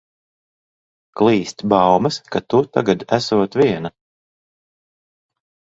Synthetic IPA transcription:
klˠiːsʲt̪ʲbawmɐskat̪ut̪a̰ɡad̪æsuɔt̪vʲiɛna

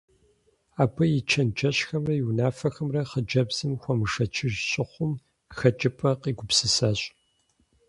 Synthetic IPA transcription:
aːbʰɐjɪt͡ʃʰɐnt͡ʃʰɐɕxɐmrɐjiwnaːfɐxɐmrɐχəd͡ʒɐbz̥ɨmxʷɔmɨʂɐt͡ʃʰɪʒɕʼɪχʷʊm | xɐt͡ʃʼɪpʰʼɐqiːɡʷʊpsɨsɐɕʼ

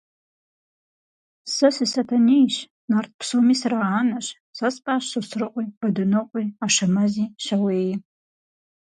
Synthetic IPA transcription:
sɨsɨsɐtʰɐnejʃ | nart̚ʰpʰsomisraːnɐɕ | sɐspʼaːɕɨsrɨqʷʼib̥ɐdɨnɨqʷʼiaʃɐmɐziːʃɐweːj

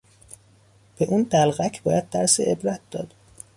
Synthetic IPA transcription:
b̥eʔuːnd̪ælɣæcʰbɒːjæd̪̚ːæɾseʔebɾæt̪̚d̪ɒːd̪̥

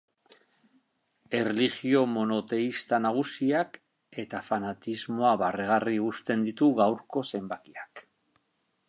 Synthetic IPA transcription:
e̞reliɣio̞mo̞no̞t̪e̞ist̪anaɣ̞usiak | e̞t̪afanat̪izmo̞aβareɣariust̪e̞nd̪it̪uɣawɾko̞se̞mbakiak

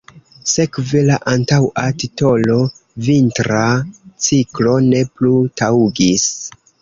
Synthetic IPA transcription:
se̞kvelaʔantawʔatito̞lo̞ | vintɾat͡siklo̞ne̞plutawuɡis

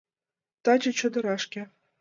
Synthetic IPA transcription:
t̪ɑd͡ʑɤ̆t͡ɕɤ̆d̪ɤ̆ɾɑʂkʲĕ

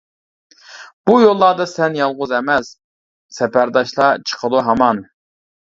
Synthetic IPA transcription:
b̥ujolˠːɑd̪ɑsɛnjɑlˠʁʊzɛmɛs | sɛpæɾd̪ɑʃlˠɑt͡ʃʰə̥qʰəlˠuɦɑmɑn

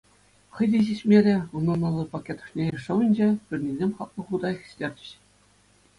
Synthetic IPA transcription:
χɤ̆jd̪ʲiʑiɕʲmʲeɾʲĕunːɑnɑlˠːɤ̆pɑkʲːet̪ɤ̥̆ʂnʲeɘ̆ʂɤ̆ʋɤ̆nʲd͡ʑepʲirʲnʲezʲemʲχɑt̪̚lˠɤ̆χud̪ɑjχʲĭ̥ɕʲlʲerʲd͡ʑʲɘ̆ɕ

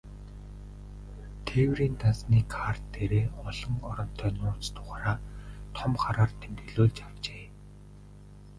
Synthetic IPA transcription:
t̪ʰewriːnt̪ansniːkʰart̪ʰːeɾeːɔɮɞ̆ŋɔɾɞ̆n̥t̪ʰœːnʊːt͡st̪ʰʊ̥ʁaːɾaːt̪ʰɔmχaɾaːrt̪ʰemt̪ĕɮoːɮt͡ɕarwt͡ɕeː

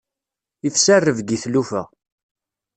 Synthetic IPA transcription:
ifsærːəvɡiθlufæ̰

